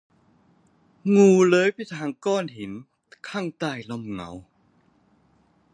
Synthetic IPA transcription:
ŋuː˧˩lɤː˦˥jpʰi˧˥˩t̪ʰaː˧ŋkɔː˥˩nɦi˨˩˦n | kʰaː˥˩˨ŋt̪aː˧˩jlo˧˩mŋa̰˨˩˦w

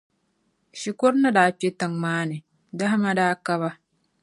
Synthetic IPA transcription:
ʃi˨ko˦ɾna˦daː˨˦k͡pe˦ta˨ŋmaː˦nɨ˨ | da˦ɦa˦ma˦daː˦ka˦βa˦

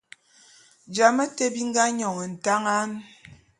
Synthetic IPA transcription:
d͡ʒa˨mə˦te˦bi˦ŋ̩˦ɡa˦ɲɔ˨ŋə˨n̩˨ta˦ŋa˦n

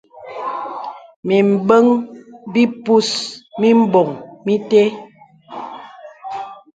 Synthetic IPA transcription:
mi˨m̩˨bə˦ŋbi˦pu˦smi˦m̩˦bɔ˨ŋmi˦te˦

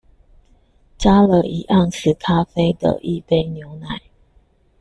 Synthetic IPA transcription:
t͡ɕa˥lə˧˩i˨˩ʔa˥˧ŋs̩˥˩kʰa˦fe˥ɪd̪ə̰˨ʔi˥˧pe˥ɪnjo˧˥ʊna˨˩˦ɪ

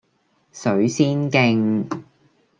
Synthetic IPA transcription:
sɵ˨˥ɥsiː˥nkɪ˧ŋ

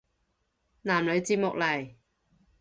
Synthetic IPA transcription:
naː˨˩mlɵ˨˧ɥt͡siː˧p̚mʊ˨k̚lɐ˨˩j

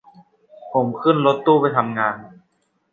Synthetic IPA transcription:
pʰo˩˦mkʰɯ˥˩˨nlo˧˦˥t̪ːuː˥˩pa˧jt̪ʰa˧mŋaː˧n

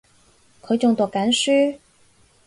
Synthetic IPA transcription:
kʰɤ˧˥t͡ɕʊ˥˧ŋt̪wɔ˨˩ka˧˥nʂy˥

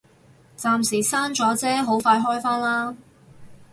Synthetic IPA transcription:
t͡saː˧msi˨˩saː˥nt͡sɔː˨˥t͡sɛː˥ɦo˨˥wfaː˧jɦɔː˥jfaː˥nlaː˥

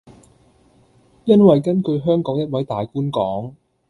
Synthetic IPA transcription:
jɐ˥nwɐ˨jkɐ˥nkɵ˧ɥɦœː˥ŋkɔː˨˥ŋjɐ˥t̚wɐ˨˥jt̪aː˨jkuː˥nkɔː˨˥ŋ

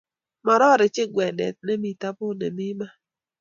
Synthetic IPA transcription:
mɔ˨ɾɔ˦ɾɪ˨t͡ʃɪ˦ɡwɛ˨dɛ̰˨t̪̚nɛ˦mi˨ta˦bʊ˦nɛ̰˨mɪ˦ma˦

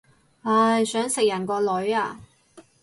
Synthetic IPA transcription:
aː˧jsœː˨˥ŋsɪ˨k̚jɐ˨˩nkʷɔː˧lɵ˨˥ɥaː˧

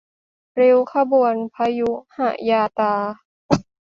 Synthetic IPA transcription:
ɾe˧wkʰa˧bu˨˩˨ənpʰa˧˥ju˦˥ha̰˧˩jaː˧t̪aː˧

